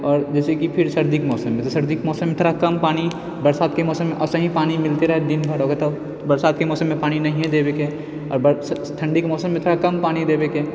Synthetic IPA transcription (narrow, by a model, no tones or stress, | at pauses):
ɔːɾd͡ʒɛːsekipʰɪɾsɐɾd̪ikmɔːsəmːẽt̪sɐɾd̪ɪkmɔːsəmːeɪt̪ʰɾakɐmpaːni | bɐɾsaːd̪̚kemɔːsəmːẽʔɔsɐɦĩpaːnimɪlt̪eɾɐɦed̪ɪnbʱəɾɦoːɡet̪ɐ | bɐɾsaːd̪̚kemɔːsəmːẽpaːñinɐɦĩɦɛ̃d̪eːbeke | ɔ̰ːɾbə | t̪ʰɐ̃ɳɖikmɔːsəmːẽt̪ʰɾakɐmpaːñid̪eːbeːkeː